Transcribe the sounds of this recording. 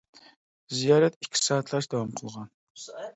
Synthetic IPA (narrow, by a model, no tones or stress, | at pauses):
zijɑːɾɛt̪ikʲʰːi̥sɑːt̪ʰlˠɑʃd̪ɑwɑmqʰəlˠʁɑn